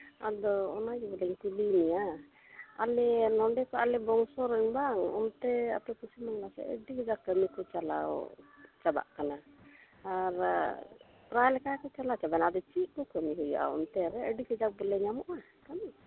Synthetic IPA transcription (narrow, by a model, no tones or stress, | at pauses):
a̰d̪ɔːnaɡɛbəlɛŋkulinija | a̰lɛnɔɳɖɛkaʔalɛbɔŋsɔɾɛŋbaŋɔ̰nt̪ɛa̰pɛkusimaŋlasɛ̰ʔə̰ɖikɛd͡ʒakəmikɔt͡ʃala̰w̰t͡ʃaba̰ʔkana | aɾ | pɾaɛlkakɔt͡ʃalat͡ʃabanad̪ɔt͡ʃiʔkɔkəmiɦujɔ̰ʔa̰ɔ̰nt̪ɛɾɛəɖikɛd͡ʒak̚bəlɛɲamɔʔa | kami